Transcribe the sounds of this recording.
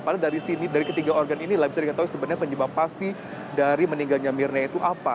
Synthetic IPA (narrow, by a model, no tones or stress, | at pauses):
padadaɾisinidaɾikət̪iɡaorɡaninilahbisadikət̪aɦwisəbət̪ɲapəɲəbapːast̪i | daɾiməniŋɡalɲamirnait̪uʔapa